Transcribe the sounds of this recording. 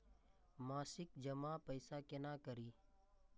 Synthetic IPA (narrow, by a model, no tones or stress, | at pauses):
maːsɪk̚d͡ʒəmapəɪsakenakəɾiː